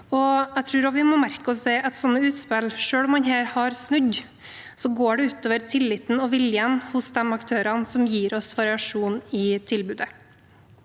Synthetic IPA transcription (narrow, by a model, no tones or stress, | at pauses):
ɔæɡt̪ʰɾʉːɾɔʋɪmɔmæɾkəɔsɛːʔɛt̪sɔnːəʉːt̪spɪlʂøːlɔmːɑnɦæːɾhɑɾsnʉɟ | sɔɡoːɖɛʉːt̪oːʋəɾt̪ʰɪlːɪt̪n̩ɔʋɪljənhʊsd̪ɛmɑkt̪ʰøːɾɑnsɔmjiːɾɔsʋɑɾɪɑʂuːnɪt̪ʰɪlbʉːd̪ə